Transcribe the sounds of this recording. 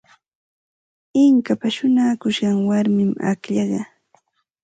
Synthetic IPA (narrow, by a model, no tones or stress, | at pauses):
ɪŋkapaʃʊnaːkʊʃɢɑŋwaɾmɪma̰kʎɑɢɑ